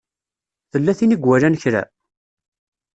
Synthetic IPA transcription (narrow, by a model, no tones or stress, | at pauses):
θəlːæθiniɡwælænçɾæ̰